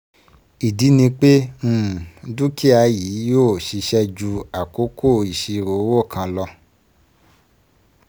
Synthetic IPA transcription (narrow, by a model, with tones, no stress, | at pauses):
i˨di˨˦nĩ˧k͡pe˦ũ˦˨du˦ki˦a˨˧˦jiː˨˦joː˦˨ʃi˧˦ʃɛ˦d͡ʒu˧a˨ko˨˦ko˦˨i˨ʃi˧ɾo˨˦wo˦˨kʰã˧lɔ˧